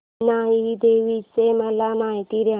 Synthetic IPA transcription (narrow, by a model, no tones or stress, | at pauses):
naːiid̪eːʋid͡ʒsemɐlamaːit̪iɾa